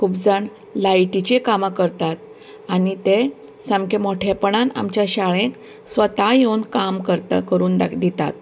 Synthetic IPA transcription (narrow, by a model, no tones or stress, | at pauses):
kʰubd͡zaɳ | lajʈit͡ɕekamakəɾt̪at̪̚ | anit̪e | səmkʰemoʈʰepɳana̰mt͡ɕjaɕaɭẽk | sʋət̪ajewnkamkəɾt̪a̰kəɾuːnd̪ad̪it̪a̰t̪̚